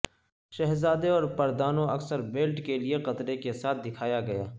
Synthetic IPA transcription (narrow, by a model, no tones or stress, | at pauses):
ʃɛɦzaːd̪eɔːɾpɐɾd̪aːnõɐksəɾbeːlʈkelieqɐt̪ɾekesaːt̪̚ʰd̪ɪkʰaːjaɡɐja̰ː